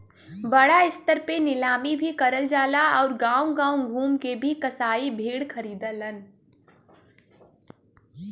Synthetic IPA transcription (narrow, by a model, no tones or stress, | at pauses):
bəɽaɪst̪əɾpenɪlaːmibʱikəɾəld͡ʒaːlaɔːɾɡãːũɡãːũɡʱuːmkebʱikəsaːibʱeːɽkʰəɾiːd̪ələn